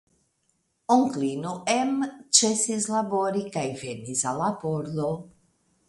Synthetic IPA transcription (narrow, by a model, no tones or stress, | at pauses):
oŋklinoʔɛmt͡ʃɛsizlaboɾikajvenizalapoɾd̪o